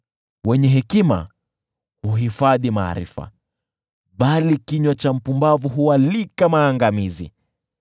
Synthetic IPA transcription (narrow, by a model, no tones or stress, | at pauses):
wɛɲɛɦɛkima̰ | huɦifaðima̰ːɾḭfa̰ | ɓalikiɲwat͡ʃam̩pumbavuɦuwalikamaːŋɡamizḭ